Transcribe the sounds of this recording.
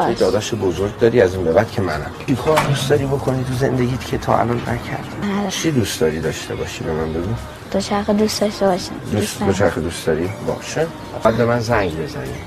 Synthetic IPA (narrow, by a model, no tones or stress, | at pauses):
ejd̪ɒːd̪æʃebozoɾɡd̪ɒːɾiːæziːnbebæd̪̥cʰe̞mænæmikʰod̪ustd̪ɒːɾiːbokʰonit̪ʰuzend̪eɟʲiːt̪cʰet̪ʰɒ̰ːæ̰lɒnːæcʰæ̰ɾd̪̥it͡ʃʰid̪usd̪ɒːɾiːd̪ɒːʃt̪ʰe̞̰bɒ̰ːʃibemænbe̞ɡu | d̪̥ot͡ʃʰæɾxed̪ustd̪ɒʃt̪ebɒʃḭmd̪usot͡ʃʰæɾxed̪ustd̪ɒːɾibɒ̰ːʃe | bæd̪̚be̞mænzæŋɟbe̞zæ̰nḭːm